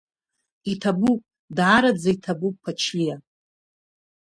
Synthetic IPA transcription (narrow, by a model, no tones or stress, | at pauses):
itʰabupʼ | dʕaɾad͡zaitʰabupʼːʰat͡ʃʰlija